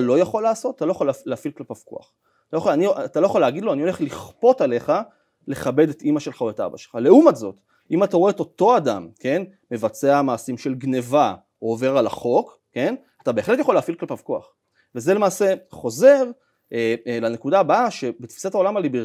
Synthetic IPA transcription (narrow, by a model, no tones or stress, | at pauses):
lo̞jaχo̞laːso̞t̪at̪alo̞jaχollːeafilklapav̥ko̰a̰χ | ojaχoaniat̪alo̞jaχolːeaɡid̪loanio̞le̞χliχpo̞tale̞χa | le̞χabe̞detimaʃe̞lχaoeta̰baʃelχale̞umatzo̞t | imataooeto̞to̞adamke̞n | me̞vat͡se̞amaːsimʃe̞lɡne̞va | oove̞ʁalaχo̞kː | e̞n | atabeχle̞tjaχoleafilklapavkoa̰χ | vezele̞maːse̞χo̞ze̞ʁ | elanekudabaʃe̞bet̪fi̥satao̞lamalibi